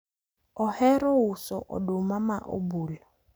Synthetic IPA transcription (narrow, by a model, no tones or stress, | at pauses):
ɔhɛɾɔʊsɔʔɔ̰dʊmamaʔo̰buːlɔ